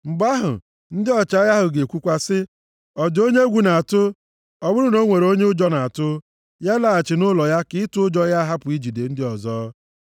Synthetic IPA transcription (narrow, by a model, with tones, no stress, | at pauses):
ŋ͡m̩˨ɡ͡ba˦ɦʊ̰˨ | n̩˦dɪ˦ɔ˨t͡ʃa˨˦ja˦ɦʊ˨ɡe˨kʷu˦kʷa˦sɪ˦ | ɔ˨do˦ɲe˦ɡʷu˨na˨a˨tʊ˦ | ɔ˨bʊ˦ɾʊ˦no˦ŋʷe˨ɾo˦ɲe˦ʊ˦d͡ʒɔ˦na˨a˨tʊ˦ | ja˦la˨a˨t͡ʃɪ˨nʊ˦lɔ˨ja˦kɪ˦ɪ˦tʊ˦ʊ˦d͡ʒɔ˦ja˦ɦa˦pʊ˨i˦d͡ʒi˨de˨n̩˦dɪ˦ɔ˨zɔː˦